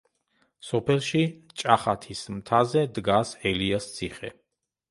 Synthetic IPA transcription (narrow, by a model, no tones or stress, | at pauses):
sɔpʰɛlˠʃit͡ʃʼaχat̪ʰismt̪ʰazɛd̪ɡasɛliast̪sʰiχɛ̰